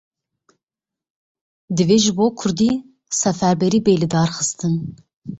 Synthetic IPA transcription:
d̪ɨveːʒɨboːkʰʊɾd̪iː | sɛfæɾbɛɾiːbeːlɨd̪ɑːɾxɨst̪ɨn

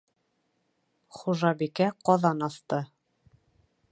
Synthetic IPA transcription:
χuʒɑbikæqɒðɑnɑθt̪ɤ

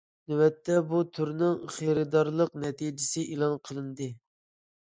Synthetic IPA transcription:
nywɛt̪ʰːɛbut̪ʰyɾnɪŋχeɾɪd̪ɑɾlˠəqnɛt̪ʰid͡ʒɪsɪʔilˠɑnqʰəlˠɨnd̪ɨ

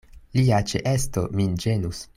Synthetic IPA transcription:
liat͡ʃḛʔestomind͡ʒe̞nus

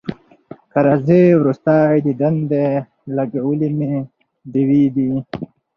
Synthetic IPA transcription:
kaɾazewɾust̪aːid̪id̪ɐnd̪e | laɡawəlime | d̪iwid̪i

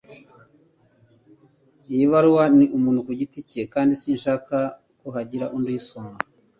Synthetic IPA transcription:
jiβaɾuwaniʔumuːnhukuɟiticekaːndisiːnʃaːka | kuɦaɟiɾaʔundojisoŋa

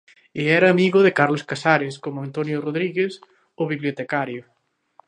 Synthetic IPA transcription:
ɪɛɾɐːmiɣʊðɪkaɾloskasaɾɪskomʊant̪onjoroðɾiɣes | oβiβljot̪ekaɾjʊ

